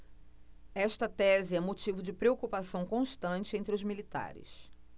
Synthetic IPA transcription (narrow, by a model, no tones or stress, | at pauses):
ɛʃt̪ɐt̪ɛzɪɛ̃mot͡ʃivʊd͡ʒɪpɾeokupasɐ̃w̃kõʃt̪ɐ̃t͡ʃɪẽnt̪ɾɪʊzmilit̪a̰ɾɪ̰s